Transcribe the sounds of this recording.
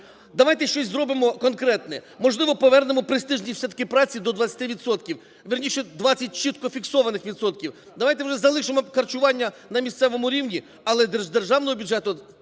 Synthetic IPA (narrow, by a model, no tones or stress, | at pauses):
d̪ɐʋɑjt̪ɛʃt͡ʃɔsʲzɾɔbɪmɔkɔnkɾɛt̪nɛmɔʒlˠɪʋɔpɔʋɛrnemɔpɾɪst̪ɪʒnʲisʲɐt̪kɪpɾɑt͡sʲid̪ɔd̪ʋɐt̪sʲɐ̥t̪ɪʋʲit̪sɔt̪kʲiw | ʋʲirnʲiʃɛd̪ʋɑt͡sʲːɐt̚ʲt͡ʃɪt̪kɔfʲiksɔʋɐnɪxʋʲid̪sɔt̪kʲiw | d̪ɐʋɑjt̪ɛwʒɛzɐlˠɪʃemɔkɐrt͡ʃʊʋɑnʲːɐnɐmʲist̪sɛʋɔmʊɾʲiwnʲi | ɐlˠɛd̪ed̪erʒɑwnɔɦɔbʲuʊdd͡ʒɛt̪ʊ